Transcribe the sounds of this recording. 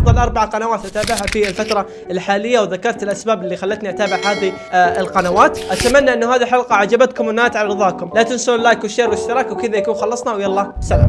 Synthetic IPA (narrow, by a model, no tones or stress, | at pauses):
ɑfðˤɑlʔɑɾˤbaʕaqɑnawaːt̪ʔat̪aːbɪʕhafiɪlfat̪ɾˤɑ | ɪlħaːlɪjːawðakɑɾˤt̪ɪlʔasbaːbɪlːixalːat̪niʔat̪aːbɪʕhaːðiɪlqɑnawaːt̪ʔat̪amanːaʔɪnːʊhaːðiħɑlqɑʕad͡ʒabat̪kʊmwɪnːaːt̪ʕaɾɨðˤɑːkʊmlaːkɪnslːaːkunʃeɾwɪʃt̪ɪɾɑːkwkɪðajakuːnxɑlːɑsˤnawjalˤːɑːsala̰m